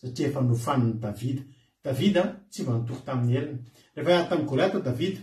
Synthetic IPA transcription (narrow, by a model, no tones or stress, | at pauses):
saʈ͡ʂiefənufanunid̪avid̪ə̥ | d̪̥avid̪ət͡sivant̪uku̥t̪amineɾinə̥ | refaat̪aŋɡuleat̪od̪avid̪ə̥